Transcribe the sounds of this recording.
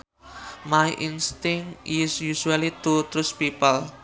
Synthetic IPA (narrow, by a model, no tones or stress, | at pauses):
majʔinst̪ɪŋɪsjuʃualit̪ut̪ɾʊspipəl